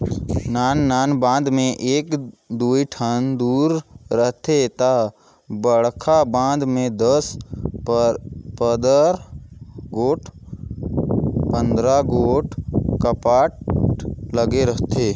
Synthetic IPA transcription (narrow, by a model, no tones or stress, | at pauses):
naːnːaːnbãːnd̪mẽʔeːkd̪uːiʈʰənd̪uːɾːəɦt̪et̪a | bəɽkʰabãːnd̪mẽd̪əs | pəd̪əɾ | ɡoːʈʰ | pə̃nd̪ɾaɡoːʈʰkəpaːʈ̚ | ləɡeɾəɦt̪eː